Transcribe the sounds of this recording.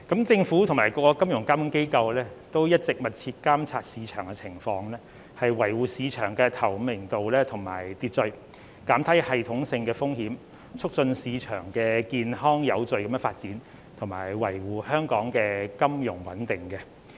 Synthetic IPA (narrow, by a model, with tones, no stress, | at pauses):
kɐ˨˥mt͡sɪ˧ŋfuː˨˥t̪ʰʊ˨˩maː˨˩jkɔː˧kɔ˧kɐ˥mjʊ˨˩ŋkaː˥mjʊ˨˧˥ke˥jkɐ˧wlɛː˥t̪o˥wjɐ˥t̚t͡sɪ˨k̚mɐ˨t̚t͡sʰiː˧t̚kaː˥mt͡sʰaː˧t̚siː˨˧t͡ʃʰœ̰ː˨˩ŋkɛ˧t͡sʰɪ˨˩ŋfɔː˧ŋlɛː˥ | hɐ˨jwɐ˨˩jwuː˨˩siː˨˧t͡ʃʰœː˨˩ŋkɛː˧t̪ʰɐ˨˩wmɪ˨˩ŋt̪o˨wlɛː˥t̪ʰʊ˨˩ŋma̰ː˨˩jt̪iː˨˧t̚t͡sɵ˨˧ɥ | kaː˨˥mt̪ʰɐ˨˥jhɐ˨jt̪ʰʊ˨˥ŋsɪ˧ŋkɛː˧fʊ˥ŋhiː˨˥m | t͡sʰʊ˥k̚t͡sɵ˧nsiː˨˧t͡ʃʰœ̰ː˨˩ŋkɛː˧kiː˨˧nɦɔː˥ŋjɐ˨˧wt͡sɵ˨˩kɐ˨˦mjɛ˥faː˧t̚t͡siː˨˥n | t̪ʰʊ˨˩ŋmaː˨˩jwɐ˨˩jwuː˨hœː˥ŋkɔː˨˥ŋkɛː˧kɐ˥mjʊ˨˩ŋwɐ̰˨˦nt̪ɪ˨˩ŋkɛ˧